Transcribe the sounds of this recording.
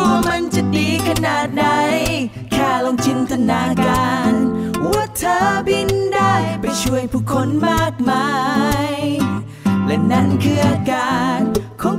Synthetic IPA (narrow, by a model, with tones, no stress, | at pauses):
ɔː˧˩ma˧nt͡ɕa˧diː˨˩kʰa˧naː˨˩t̪̚na˧˥j | kʰɛː˧˩loː˧ŋt̪ʰɯ˧˥nt̪ʰa˧naː˧˥˦kaː˧nwu˧˩ət̪ʰːɤː˧˦bi˧nda˥˩jpa˨˩jt͡ɕʰu˧˩əjpʰuː˧˩kʰːo˧˥nmaː˥˩k̚maː˧j | lɛ˧˩na˥˩nkʰɯː˧ʔaː˧kaː˨˧˩nkʰɔː˨˧˥